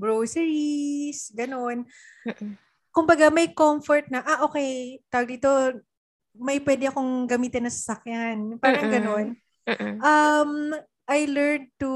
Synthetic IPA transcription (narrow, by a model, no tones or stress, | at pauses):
ɡɹowsɛɹisɡɐno̞n | kʊmbɐɡamɐjkomfɔɹt̪̚nɐʔaʔo̞ːkɛjt̪awɐɡ̚d̪iːt̪o̞ | mɐjpwɛd̪ɪɐko̞ŋɡɐmiːt̪ɪnɐsɐsɐkjanpaːɾɐɐŋɡɐno̞n | ʔɐm | ʔɐjlɛɹd̪̚t̪u